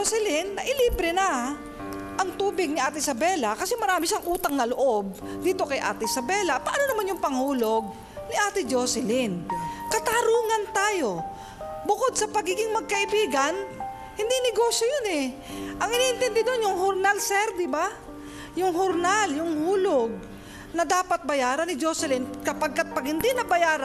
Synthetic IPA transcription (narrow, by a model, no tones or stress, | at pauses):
osɪlɪnːɐʔɪliːbɾɛna | ʔɐŋt̪uːbɪɡ̚nɪʔaːt̪ɪɪsɐbɛːlakɐsɛmɐɾaːmɪʃaŋʔuːt̪aŋnɐloʔo̞b̚ | d̪iːt̪o̞kɐjʔa̰ːt̪ɪɪsɐbɛlapɐʔanonɐmanjʊŋpɐŋhuːlo̞ɡ̚ | nɪʔaːt̪ɪd͡ʒoːsɪlɪnkɐt̪aɾuːŋɐnt̪aːjo̞ | bʊkod̪̚sɐpɐɡiːɡɪŋmɐɡ̚kɐʔɪbiːɡan | hɪnd̪inɪɡoːʃjojonɛ | ʔɐŋʔɪnːʔɪnt̪ɪnd̪ɪd̪onjʊŋɦoɾnalsɛɾd̪ɪba | jʊŋɦʊɾnaljʊŋhuːloɡ̚ | nɐd̪aːpɐt̪̚bɐjaːɾɐnɪd͡ʒosɪlɪnkɐpaɡ̚kat̪̚pɐɡhɪnd̪inɐbɐjaːɾ